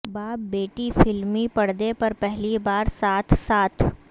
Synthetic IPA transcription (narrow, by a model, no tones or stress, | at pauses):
baːp̚beːʈifɪlmipɐɽ̤d̪epɐɾpɛɦlibaːɾsaːt̪ʰsaːt̪ʰ